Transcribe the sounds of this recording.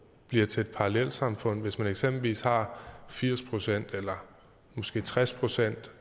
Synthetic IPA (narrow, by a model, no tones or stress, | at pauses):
b̥liɐt͡sʰe̝ed̥̚pʰɑ̈ɑlel̰̥sɑ̈mfɔ̽n̰ʋe̝smæneɡ̥semb̥l̩ʋḭːshɑ̈fiɐ̰spʰʁo̝sen̰d̥elɐ | mɒ̽sɡ̥e̝̰ːt͡sʰʁaspʰʁo̝sen̰d̥